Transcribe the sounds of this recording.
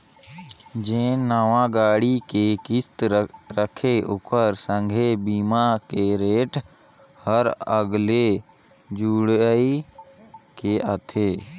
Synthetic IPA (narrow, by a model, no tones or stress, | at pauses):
d͡ʒẽːnəʋãɡaːɽikekɪst̪ɾəkʰeʊpəɾsə̃ŋɡʱebiːmakeɾeːʈʰ | həɾəɡle | d͡ʒuːɽəi | keʔət̪ʰeː